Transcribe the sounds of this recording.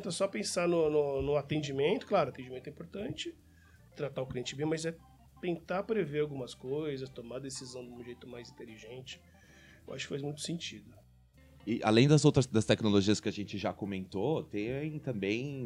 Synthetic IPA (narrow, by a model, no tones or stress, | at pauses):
t̪ɐ̃sɔpẽsanʊnʊnʊ̃at̪ẽnd͡ʒimẽnt̪ʊ̥klaɾʊat̪ẽd͡ʒimẽt̪ɛĩpoɾt̪ɐ̃nt͡ʃɪ | t̪ɾat̪aʊkliẽnt͡ʃɪbẽj̃mɐzɛ | t̪ẽnt̪apɾeveawɡũmɐskojzɐst̪omad̪esizɐ̃w̃d̪ɪũʒejt̪ʊmajzĩnt̪eliʒẽnt͡ʃɪ̥ | ewʔa̰ʃʊkɪ̥fajzmũj̃t̪ʊ̥sẽnt͡ʃid̪ʊ | ɪʔa̰lẽj̃d̪ɐzowt̪ɾɐsd̪ɐst̪ɛknoloʒiɐskɪɐʒẽnt͡ʃɪʒakomẽnt̪ot̪ẽt̪ɐ̃bẽj̃